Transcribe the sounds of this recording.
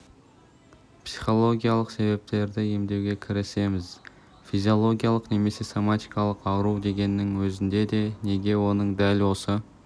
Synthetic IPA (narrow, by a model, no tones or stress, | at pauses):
psi̥χo̞lˠo̞ɡʲijalˠəqse̞βe̞p̚t̪e̞ɾd̪ɪe̞md̪e̞wɡʲe̞kʲʰɪɾɪse̞mɪz | fijzijo̞lˠo̞ɡʲijalˠəqne̞me̞se̞somat̪ijkɑlˠəqɑwɾuwd̪e̞ɡʲe̞nːɪŋwɵzɪnd̪e̞d̪e̞ne̞ɡʲe̞wo̞nəɴd̪ælwo̞sə